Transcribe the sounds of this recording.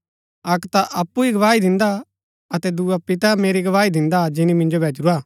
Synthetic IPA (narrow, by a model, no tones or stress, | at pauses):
ɐkt̪aʔɐpːuiɡɐʋaːid̪ɪ̃nd̪a | ɐt̪ɛd̪uapɪt̪ameːɾiɡɐʋaːid̪ɪ̃nd̪ad͡ʒɪnimɪ̃nd͡ʒobʱeːd͡ʒɾuaː